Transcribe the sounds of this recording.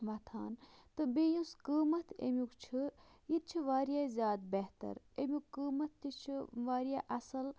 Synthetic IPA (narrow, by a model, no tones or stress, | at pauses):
ʋɐt̪ʰaːnt̪ɨbejũskəːmɐt̪ʰḛmʲjukt͡ʃʰɨjit̪̚t͡ʃʰiʋaːɾijaːzʲjaːd̪beɦt̪ɐ̰ɾ | emʲjukːəːmɐt̪ʰːit͡ʃʰiʋaːɾijaːʔɐsɐl